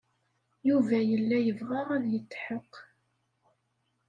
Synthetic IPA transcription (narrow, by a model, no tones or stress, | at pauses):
juvæjəlːæjəvʁaʁæðjət͡sːħəqː